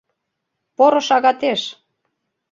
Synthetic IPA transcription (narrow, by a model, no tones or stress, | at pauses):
poɾŏʃɑɣɑt̪eʃ